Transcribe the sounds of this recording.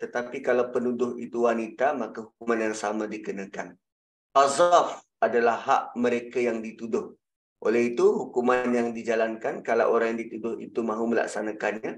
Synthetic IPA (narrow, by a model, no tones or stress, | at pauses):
t̪ət̪apikalawpənudʊɦḭt̪uwanit̪amakaɦuk̚umanjaŋsamãdikənakan | azaf | adalahɦaʔməɾekajaŋdit̪udʊh | ʔo̰lɛɦit̪uɦukumanjaŋdid͡ʒalankankalawʔoɾaŋjaŋdit̪udʊhḭt̪umãɦuməla̰ksanakanɲã